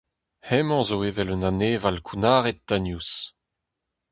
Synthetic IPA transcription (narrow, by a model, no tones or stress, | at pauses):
hɛmɑ̃zoeːvɛlønaneːvalkʰunaːʁet̪̚d̪anjus